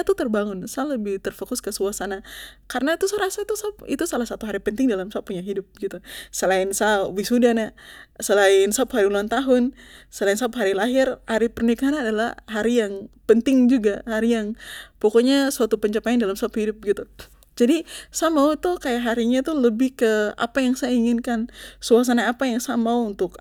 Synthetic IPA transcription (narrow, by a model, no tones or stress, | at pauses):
at̪ut̪ərbaŋʊnsaləbɪht̪ərfokʊskəsuasanakarnat̪usaɾasait̪usapḭt̪usalahsat̪uɦaɾipənt̪ɪŋdalamsap̚ːuɲaɦidʊp̚ɡit̪usəlaɪnsabɪsudanasəlaɪnsapɦaɾiuluant̪aɦʊnsəlaɪnsapɦaɾilaɦɪrhaɾipərnikaɾanadalahɦaɾijaŋpənt̪ɪŋd͡ʒuɡahaɾijaŋpokoɲasuat̪upəɲt͡ʃəpaindalamsaphidʊp̚ɡit̪u | d͡ʒadisamaut̪ukajaʔɦaɾiɲat̪uləbɪhkəa̰pajaŋsajaiŋɪnkansuas̬anaapajaŋsamauːnt̪ʊk